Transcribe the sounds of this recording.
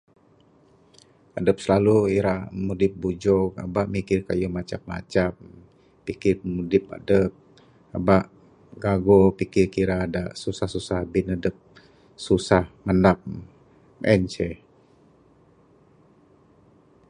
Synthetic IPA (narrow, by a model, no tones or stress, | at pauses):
ədəp̚səlaluiɾaʔmudɪp̚bud͡ʒɔk̚a̰baʔmikɪrka̰jumat͡ʃap̚ma̰t͡ʃap̚ː | ikɪrmudɪp̚a̰dəp̚ | a̰baʔ | ɡaɡopikɪrkiɾadaʔsusahsusahbɪnadəp̚ | susahmandap̚ | mɛnt͡ʃɛ